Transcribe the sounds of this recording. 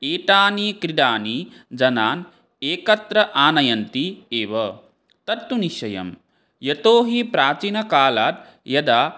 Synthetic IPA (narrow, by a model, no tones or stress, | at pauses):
eːʈaːnikɾiɖ̪aːnid͡ʒɐnaːn | eːkɐt̪ɾɐʔaːnɐjɐnt̪ieːʋɐ | t̪ɐɾt̪uniʃɐjɐ̰m | jɐt̪oːɦipɾaːt͡ʃinɐkaːlaːt̪̚ | jɐd̪aː